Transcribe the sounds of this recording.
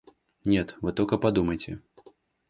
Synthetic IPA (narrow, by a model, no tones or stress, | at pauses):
nʲɛt̪vɨt̪ɔlʲkɐpad̪umɐjt͡sʲɛ